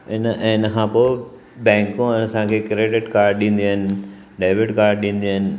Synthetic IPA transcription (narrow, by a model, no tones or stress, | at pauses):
ɪnɪnəkʰãːpoː | bɛ̃ːŋkũɐsãkʰeːkɾeːʈɪʈkaːɾɖɗĩːn̆d̪iaːɦɪnɪ̆ | ɖaːɪʋɪʈkaːɾɖɗĩːn̆d̪iaːɦɪnɪ̆